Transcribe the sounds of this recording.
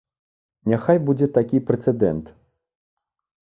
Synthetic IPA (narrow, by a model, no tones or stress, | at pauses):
nʲaxajbud͡zʲɛt̪akʲipɾɛt̪sɛd̪ɛ̰nt̪